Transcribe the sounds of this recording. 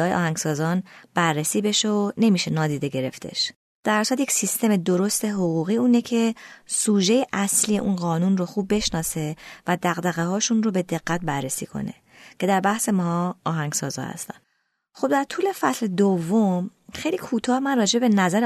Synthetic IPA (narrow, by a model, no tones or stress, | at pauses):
ɒːjeʔɒ̰ːhæŋɡsɒːzɒːnb̥ærːesiːbe̞ʃeone̞miːʃe̞nɒːd̪iːd̪e̞ɟe̞ɾe̞ft̪ʰe̞̰ʃ | d̪̥æɾsæt̪jecsist̪e̞me̞d̪o̞ɾo̞st̪e̞ɦoɣuːɣiːuːnecʰe̞suːʒe̞jeʔæsliːjeʔuːnɢɒːnunroxuːb̚ːe̞ʃnɒːse̞væd̪æɣd̪æɣeɦɒːʃunro̞be̞d̪e̞ɣːæt̪̚bærːesḭːkʰo̞̰nḛ | cʰe̞d̪æɾbæhse̞mɒɦːɦæŋɡsɒ̰ːzɒ̰hæ̰st̪æ̰n | xo̞b̥̚d̪æɾt̪ʰuːle̞fæsled̪ovːomxejliːkʰuːt̪ʰɒːhmænrɒːd͡ʒebe̞næzæɾ